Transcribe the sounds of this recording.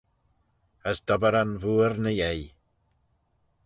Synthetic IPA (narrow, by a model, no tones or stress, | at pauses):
əsd̥ɔbaɾanvuːrnəjej